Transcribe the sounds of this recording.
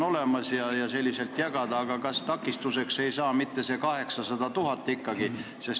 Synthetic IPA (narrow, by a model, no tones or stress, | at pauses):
o̞le̞mɑsjɑjɑse̞lʲːise̞lt̪ˑjɑɡ̥ɑd̪̥ɑːɡ̥ɑkɑst̪ɑkːˑist̪use̞kse̞jsɑːmit̪ːe̞se̞kɑɦe̞ksɑsɑd̪̥ɑt̪uɦɑt̪ːˑikːɑɡ̥i | se̞s